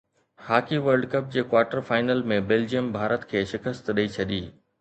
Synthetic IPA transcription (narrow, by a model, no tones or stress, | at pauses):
haːkiʋəɾɖkɐp̚d͡ʑeːkwaːɾʈəɾfaːɪnəlmẽbeld͡ʑijəmbʱaːɾət̪kʰeːʃɪkəst̪ɗɐit͡ɕʰɐɗ̪iː